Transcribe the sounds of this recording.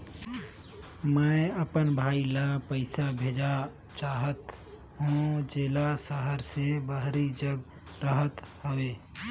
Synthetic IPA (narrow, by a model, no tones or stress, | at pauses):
məəpənbʱaːilapəɪsabʱed͡ʒa | t͡ʃaːɦət̪ | ɦõd͡ʒeːlasəɦəɾsebəɦɾid͡ʒəɡ | ɾəɦət̪həʋe